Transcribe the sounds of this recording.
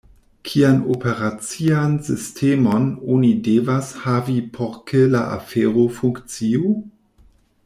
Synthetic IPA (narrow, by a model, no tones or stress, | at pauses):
kʰianopʰeɾat͡siansistʰemononidevashavipʰoɾkʰela̰ʔa̰feːɾofuŋkt͡sio